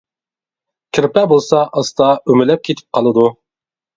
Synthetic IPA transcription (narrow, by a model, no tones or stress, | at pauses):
kʲʰɪɾpɛbolˠsɑʔɑst̪ɑymɪlɛp̚kʲʰet̪ʰɪ̥p̚qʰɑlˠɨd̪u